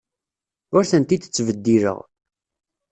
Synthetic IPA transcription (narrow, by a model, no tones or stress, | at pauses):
ʊɾθənt̪id̪ə̥t͡sːvəd̪ːiɾə̰ʁ